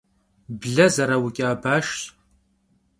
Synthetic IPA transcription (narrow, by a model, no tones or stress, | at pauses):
bɮɐzɐɾɐwʊkʲʼɪaːbaːʃtʼ